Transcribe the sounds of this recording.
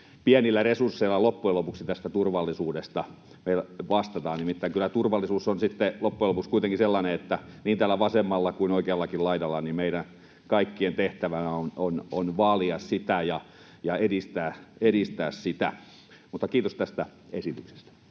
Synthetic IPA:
piænilːæresursːeilːˑɑlopːuelopuksit̪æst̪æt̪urʋɑlːisuːdest̪ɑ | meilʋɑst̪ɑt̪ɑːnnimit̪ːæiŋkylːˑæt̪urʋɑlːˑisuːsːonsit̪ːelopːujelopuskuit̪eŋkiselːɑneet̪ːæniːnt̪æːlːˑæʋɑsemːɑlːɑkuinoikeɑlːɑkilɑidɑlːɑnimmeiɾæn | kɑikːient̪eht̪æʋænæonononʋɑliɑssit̪æjɑ | jɑedist̪æːeɾist̪æːssit̪æ̰ | mut̪ːɑkiːt̪ost̪æst̪æesit̪ykse̥st̪æ̥

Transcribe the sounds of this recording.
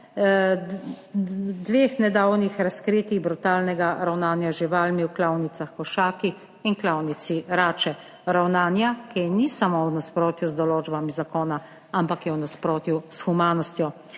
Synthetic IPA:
d̪ʋeːxnɛd̪aːwnixɾaskɾiːt̪iɣbɾut̪aːlnɛɡaɾawnaːnjaʒiʋaːlmiwklawnit̪saxkɔʃaːkiː | nklawnisiɾaːt͡ʃɛ | ɾawnaːnjakinisamownaspɾoːt̪juzd̪ɔloːd͡ʒbamizakoːna | ampakjɛwnaspɾoːt̪jusxumaːnɔst̪jɔ

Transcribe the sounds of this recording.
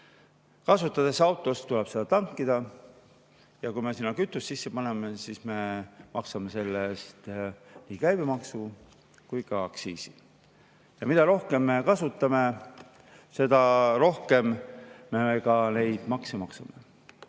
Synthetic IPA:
kɑsut̪ːˑɑd̪̥e̞sɑwt̪ˑo̞st̪ːulɛb̥se̞d̪ɑt̪ɑŋkːid̪̥ɑ | jɑkujme̞sinːɑkyt̪ːˑussisːe̞pɑne̞me̞sisme̞mɑ̰ksɑme̞se̞lːest̪nikæjb̥emɑksu | kujkɑɑksiːsi̥ | jɑmid̪̥ɑɾo̞hke̞mːe̞kɑsut̪ːˑɑme̞ | se̞d̪̥ɑɾo̞hke̞mːekɑne̞jd̪̥mɑksemɑksɑme

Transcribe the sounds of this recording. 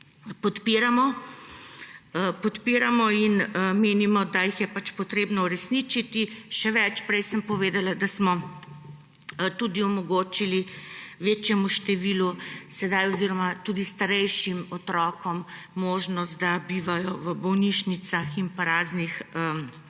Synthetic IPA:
pɔt̪piːɾamɔ | pɔt̪piːɾamɔinəmeːnimɔd̪ajixjɛpat͡ʃpɔt̪ɾeːbnɔuɾɛsnit͡ʃit̪iʃɛʋɛt͡ʃpɾɛjsəmpɔʋeːd̪alad̪asmɔ | t̪uːd̪iɔmɔɡoːt͡ʃiliʋeːt͡ʃjɛmuʃt̪ɛʋiːlusɛd̪ajɔziɾɔmat̪ud̪ist̪aɾɛjʃimɔt̪ɾɔːkɔmː | oːʒnɔst̪̚d̪abiːʋajɔʋəbɔwniʃnit̪saximpaɾaːznixə

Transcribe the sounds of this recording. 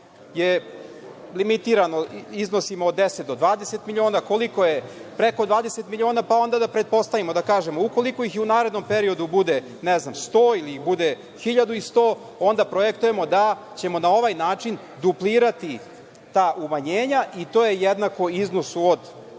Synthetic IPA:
je | limit̪iːɾanoizno̞simood̪ːeset̪d̪o̞d̪ʋaːd̪eset̪milʲio̞ːnako̞liko̞jepɾe̞ko̞d̪ʋaːd̪e̞se̞t̪milʲio̞ːnapao̞nd̪ad̪apɾe̞t̪̚po̞st̪aʋimo̞d̪akaːʒe̞mouko̞liko̞ixunaːɾe̞d̪nompe̞ɾio̞d̪ubud̪e | neznamst̪oːiliixbud̪e | xiʎad̪uist̪oː | o̞nd̪apɾojekt̪uje̞mo̞d̪a | t͡ɕe̞mo̞nao̞ʋajnaːt͡ʂin | d̪upliːɾat̪i | t̪aːʔumaɲeːɲaʔit̪ojejed̪nako̞izno̞suod̪

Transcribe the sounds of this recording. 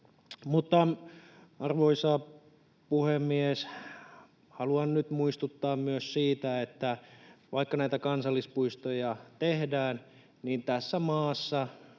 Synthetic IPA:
mut̪ːɑ | ɑrʋoisɑ | puhemːies | hɑluɑnnyt̪muist̪ut̪ːɑːmmyøssiːt̪æet̪ːæʋɑikːɑnæit̪ækɑnsɑlːispuist̪ojɑt̪ehdæːn | niːnt̪æsːæmɑːsːɑ

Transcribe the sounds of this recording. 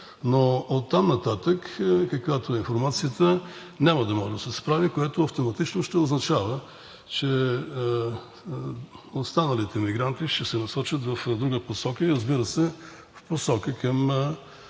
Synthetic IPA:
noot̪ːamnɐt̪at̪əkkɐkvat̪oinfoɾmat̪sijət̪ə | nʲaməd̪ɐmɔʒɛd̪ɐsɛspɾavikoɛt̪oɐft̪omɐt̪it͡ʃnoʃt̪ɛoznɐt͡ʃavə | t͡ʃɛ | ost̪anəlit̪ɛmiɡɾant̪iʃt̪ɛsɛnɐsɔt͡ʃət̪vɐfd̪ɾuɡəposɔkəiɾəzbiɾəsɛ | fposɔkəkɐm

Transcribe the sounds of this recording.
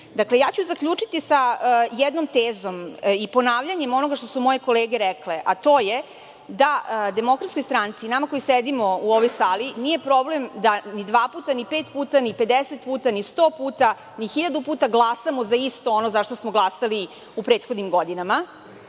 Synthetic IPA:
d̪aklejaːt͡ɕuzakʎʲuːt͡ʂit̪isajɛd̪nomt̪eːzo̞mipo̞naːʋʎaɲe̞mo̞noɡaʃt̪osumo̞jeko̞leːɡeɾɛkleʔat̪o̞ːje | d̪ad̪e̞mo̞kɾat̪skojst̪ɾant̪sinamako̞jised̪imo̞uoʋojsaːlinije̞pɾo̞ble̞md̪anid̪ʋaːpuːt̪anipet̪puːt̪anipe̞d̪eset̪puːt̪anist̪oːpuːt̪a | nixiʎad̪upuːt̪aɡlˠasamozaist̪oonozaʃt̪osmoɡlˠasali | upɾeːt̪xod̪nimɡod̪inama

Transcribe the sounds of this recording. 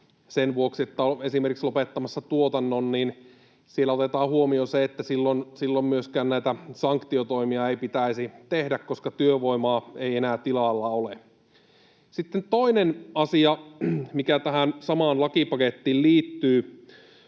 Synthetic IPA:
senʋuoksiet̪ːæoesimerkikslopet̪ːɑmɑsːɑt̪uot̪ɑnːonniːn | sielːæot̪et̪ɑːhuomioseet̪ːæsilːonsilːommyøskæːnnæit̪æsɑŋkt̪iot̪oimiɑeipit̪æisit̪ehdækkoskɑt̪yøʋoimɑːeienæːt̪ilɑˑlːɑole | sit̪ːent̪oinenɑsiɑmikæt̪æhænsɑmɑːnlɑkipɑket̪ːiːlliːt̪ːyː

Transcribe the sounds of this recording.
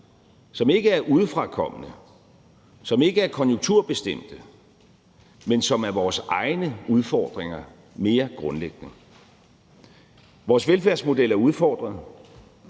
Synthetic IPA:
sɒ̽me̝ɡ̥əæɐʔuð̞ˠfʁɑ̈kʰɒ̽m̰ənə | sɒ̽me̝ɡ̥əæɐkʰɒ̽njuŋt͡sʰuɐb̥e̝sd̥em̰d̥ə | mensɒ̽mæɐʋɒːsɑ̈ɪnəuð̞ˠfɒ̰ːd̥ʁeŋɐ | me̝ːɐɡ̥ʁɔ̽nleɡ̥ənə | ʋɒːsʋelfæɐsmo̝d̥el̰æɐuð̞ˠfɒ̰ːd̥ʁɐðˠ

